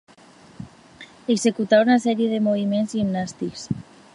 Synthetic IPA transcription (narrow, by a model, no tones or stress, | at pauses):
ekse̞kut̪aunaseɾjeðemoβ̞imenzʝimnast̪iks